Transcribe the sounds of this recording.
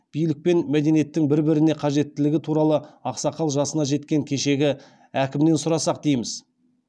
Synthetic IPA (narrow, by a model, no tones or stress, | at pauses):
b̥ijlɪk̚pe̞nmæd̪e̞nije̞t̪ːɪŋbɪɾbɪɾɪneqʰɑʒe̞t̪ːɪlɪɡʲɪt̪ʰuɾɑlˠəɑqsɑqʰɑlˠʒɑsənɑʒe̞t̪kʲe̞ŋkʲʰe̞ʃe̞ɡʲɪ | ækʲɪmd̪e̞nsʊɾɑsɑq̚d̪ejmɪz